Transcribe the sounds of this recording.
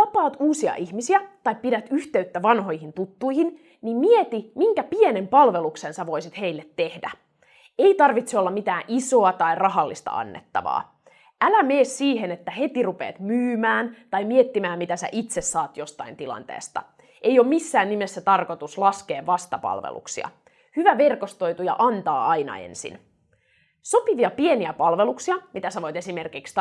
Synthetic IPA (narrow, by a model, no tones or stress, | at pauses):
ʋɑpɑːt̪uːsiɑ̰ʔiçmisiæt̪ɑjppidæt̪yht̪e̞yt̪ːæʋɑnɦo̞jhint̪ut̪ːujhin | nimmiet̪imiŋkæpiene̞mpɑlʋe̞luksensæʋo̞jsit̪he̞ilːet̪ːe̞hdæ̰ | eit̪ɑrʋit̪seo̞lːɑmit̪æːʔiso̞ɑt̪ɑirɑɦɑlːist̪ɑ̰ɑ̰nːḛt̪ːɑ̰ʋɑ̰ː | ʔælæmeːssiːɦenet̪ːæhe̞t̪irupeːt̪myːmæːnt̪ɑjmiet̪ːimæːmit̪æsæ̰ʔit̪sesːɑːt̪jo̞st̪ɑint̪ilɑ̰nt̪ḛːst̪ɑ̰ | ʔejoːmisːæːnnimesːæt̪ɑrko̞t̪uslɑske̞ːʋʋɑst̪ɑpɑ̰lʋḛlṵksḭɑ̰ | hyʋæʋe̞rkost̪o̞jt̪ujɑ̰ʔɑnt̪ɑːɑjnɑ̰ḛnsḭn | so̞piʋiɑpie̞niæpɑlʋeluksiɑmit̪æsæʋo̞jt̪e̞sime̞rkikst̪